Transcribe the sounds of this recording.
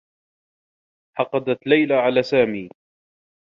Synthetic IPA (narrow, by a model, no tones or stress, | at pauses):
ħɑqɑd̪at̪lajlaʕalaːsaːmiː